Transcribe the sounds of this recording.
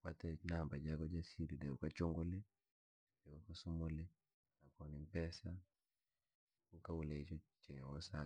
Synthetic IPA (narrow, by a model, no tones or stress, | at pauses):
watɛnambad͡ʒakɔd͡ʒasiɾidɛukat͡ʃoŋɡole | dɛukasumolɛ | nakɔnimpɛsa | ukawulɛit͡ʃɔt͡ʃɛwɔsa